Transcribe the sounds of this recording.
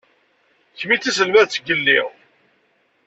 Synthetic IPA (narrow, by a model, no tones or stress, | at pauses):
çmit͡sːæs̬əlmæðt͡sːəɡəlːḭʁ